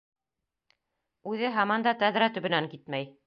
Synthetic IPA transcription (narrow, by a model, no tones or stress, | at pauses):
ʉðɘɦɑmɑnd̪ɑt̪æd̪ɾæt̪ɵ̆βɘ̆næŋkit̪mæj